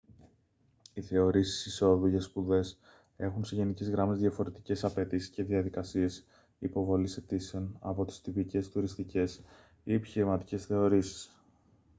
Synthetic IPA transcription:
iθe̞o̞ɾisi̥siso̞ðuʝɐspuðe̞s | e̞xunse̞ʝe̞nice̞zɣɾɐmezðjɐfo̞ɾe̞t̪i̥ce̞sɐpe̞t̪isi̥sce̞ðiɐðikɐsie̞s | ipo̞vo̞liset̪iseonɐ̰po̞t̪i̥st̪ipice̞st̪uɾist̪ice̞s | ie̞pi̥çiɾimɐt̪i̥ce̞sθe̞o̞ɾisi̥s

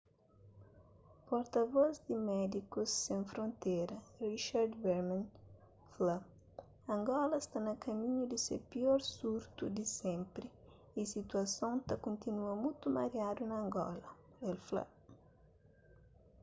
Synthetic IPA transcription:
pɔɾt̪ɐvɔzd̪ɪmɛd̪ikʊsːẽŋfɾõnt̪ejɾɐriʃaɾd̪vɛɾmãn | fla | ɐ̃ŋɡɔlɐst̪anɐkɐmĩɲʊd̪ɪsḛpiɔɾsuɾt̪ud̪ɪsɛ̃mpɾɪ | isit̪uɐsõnt̪ɐkõnt̪inuɐmujt̪umaɾjad̪unɐ̃ːŋɡɔ̰lɐ | ɛlfla̰

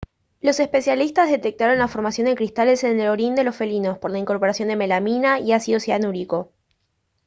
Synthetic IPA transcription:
lo̞se̞spe̞sjalist̪azðe̞t̪e̞k̚t̪aɾo̞nlafo̞ɾmasjondeŋkɾist̪ale̞senelo̞ɾind̪e̞lo̞sfe̞lino̞spo̞ɾlaiŋko̞ɾpo̞ɾasjo̞nd̪e̞me̞laminaiasio̞sjanuɾiko̞

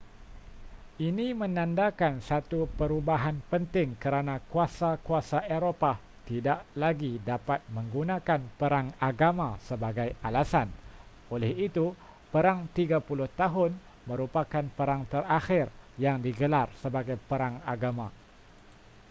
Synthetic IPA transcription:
ʔinimə̃nãndakansat̪upəɾubaɦanpənt̪ɪŋkəɾanãkuasakuasaʔeɾopa | t̪idaʔlaɡidapat̪̚mə̃ŋɡunãkanpəɾaŋaɡamãsəbaɡajalasan | olɛhit̪u | pəɾaŋt̪iɡapulʊht̪aɦʊn | mə̃ɾupakanpəɾaŋt̪əraxɪrjaŋdiɡəlarsəbaɡajpəɾaŋaɡamã

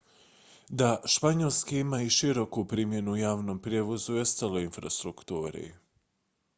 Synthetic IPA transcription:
d̪aʃpaɲolˠskiimaiʃiɾo̞kupɾiːmje̞nuujaːʋnompɾjeːʋo̞zujost̪alˠoinfɾa̰st̪ɾukt̪uːɾḛ

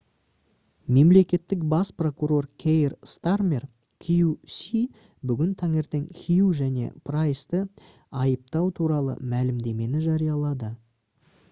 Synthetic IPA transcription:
me̞mle̞kʲe̞t̪ːɪk̚bɑspro̞kuɾo̞rkʲʰejrst̪armʲer | kʲʰijusi | bʏɡʲɪnt̪ʰɑŋe̞ɾt̪e̞ŋkʲʰijuʒæne̞̰pʰrajst̪ə | ɑjəp̚t̪ɑwt̪ʰuɾɑlˠə̰mælɪmd̪e̞me̞nɪʒɑɾijɑlˠɑd̪ə

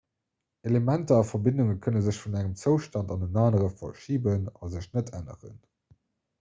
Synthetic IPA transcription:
elemæntəɑfɐbɪnduŋəkʰənəzəɕfunæŋəmt͡səʊʃtɑndɑnənaːnəʁəfɐ̰ʃiːbənɑ̰zəɕnətʰænə̰ʁə̰n

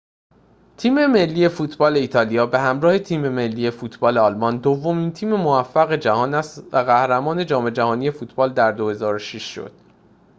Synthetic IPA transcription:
t̪ʰiːme̞me̞lːiːje̞fuːt̪ʰbɒːle̞iːt̪ʰɒːlijɒːbe̞hæmɾɒːhe̞t̪ʰiːme̞me̞lːiːje̞fuːt̪ʰbɒːle̞ɒːlmɒnd̪ovːo̞miːnt̪ʰiːme̞movæfːæɣe̞d͡ʒæhɒːnæst̪væɣæhɾæmɒːne̞d͡ʒɒːme̞d͡ʒæhɒːnije̞fuːt̪ʰb̥ɒːld̪æɾd̪o̞he̞zɒːɾoʃiʃʃo̰d̪̥

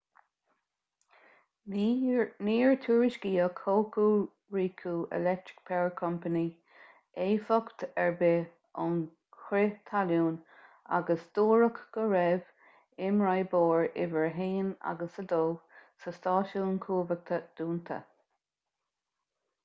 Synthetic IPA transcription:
niːɹt̪ʰuːɹɪʃɡiːəkʰoːkuː | ɹiːkʰuːʔɛ̰lɛk̚t̪ɹɪ̥k̚pʰɛɹkʰɔmpəni | eːfɔkt̪ɛɹbɪ | ʊn | kɾɪt̪ʰaljuːna̰ɡəsd̪̥oːɹəkɡ̥əɹɛv | ɪmɹajboːɹɪ̰vəɹɦeːna̰ɡəsəd̪oːsəst̪ɑːʃuːnkʰuːvək̚t̪ʰəd̪̥uːnt̪ʰə̰

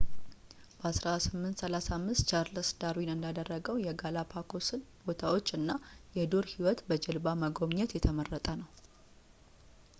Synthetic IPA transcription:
b̥əasɾasɨmːɨnt̪səlasamːɨst̪t͡ʃʰaɾləsd̪aɾwinɨnd̪ad̪ərːəɡəwjɛɡalapʰakʰosɨnbo̞t̪ʰawo̞t͡ʃːɨnːajɛd̪o̞ɾhiwɔt̪bəd͡ʒɛlbaməɡoβɲɛt̪jɛt̪ʰəmərːət̪ʼənəw

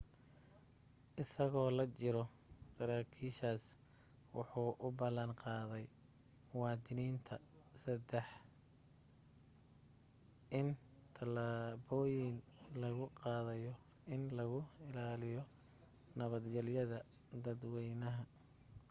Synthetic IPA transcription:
ʔɪsɐɣɔːlɐt͡ʃɪɾɔ | sɐɾaːkʰiːʃaːs | wɑ̰ħuːʔʊbɐlɐnqɑːðɛj | wɑːd̪ɪniːnt̪ʰɐ | sɐd̪ɛħ | ʔɪn | t̪ʰɐlaːβɔːjɪnlɐɣʊqɑːðɐjɔ | ɪnlɐɣʊɪlaːlɪjɔ | nɐβɐd̪ɡɛljɐðɐ | d̪ɐd̪wɛjnɐɦɐ

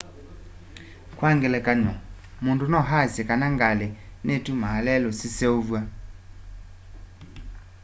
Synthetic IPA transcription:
kwaŋɡɛlɛkaɲɔ | mundunɔɦasɛkanaŋɡalɛnetumaalɛlɔsisɛovwa

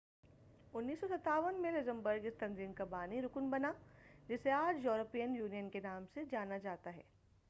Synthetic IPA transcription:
ʊnːiːsːɔsɐt̪aːʋənmẽlɪzə̃mbəɾɡɪst̪ɐ̃nziːnkabaːniɾʊknbɐnad͡ʒɪseaːd͡ʒjoːɾəpijənjuːnijənkenaːmsed͡ʒaːnad͡ʒaːt̪aɦɛ̰ː

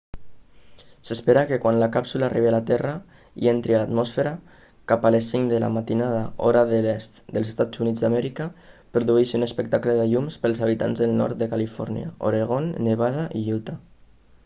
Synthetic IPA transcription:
səspeɾakekwanlakapsulaːrʔiβealat̪ɛra | ḭent̪ɾialat̪mɔsfeɾa | kapalesːiŋd̪əla̰mat̪inaðaoɾaðəlɛst̪d̪əlˠzest̪ad͡zunid͡zðd̪amɛɾikapɾuðuiʃunəspək̚t̪akləðaʎumspəlˠzaβit̪a̰nzðəlˠnɔ̰ɾt̪̚d̪əkalifɔ̰ɾnja̰o̰ɾeɣ̞onːeβaðaʔiʎut̪a

